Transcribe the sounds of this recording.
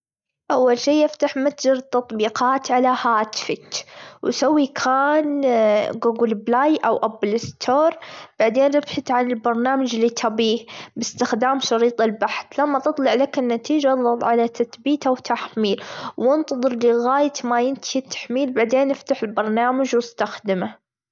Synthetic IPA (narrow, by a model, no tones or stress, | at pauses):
ʔawːalʃiːʔɪft̪aħmat̪d͡ʒɑɾt̪ːɑt̪ˤbiːqɑːt̪ʕalahaːt̪fakwsawːikʰaːnɡuɡlblaːjʔawʔablɪst̪ʰoːɾˤb̥aʕd̪eːnɾɪbħat̪ʕanɪlbɑɾˤnaːmad͡ʒlit̪ʰabiːhbɪst̪ɪxd̪aːmʃɑɾiːt̪ˤɪlbaħθlamːat̪ɨt̪ˤlɑʕlakɪnːat̪iːd͡ʒaðˤɑt̪ˤʕalat̪ʰaθbiːt̪awt̪ʰaħmiːlwɪnt̪ɑðˤɨɾliɣaːjat̪majɪnt̪ʰit̪ːḁħmiːlbaʕd̪eːnːɪft̪aħɪlbɑɾˤnaːmad͡ʒwɪst̪axd̪ɪma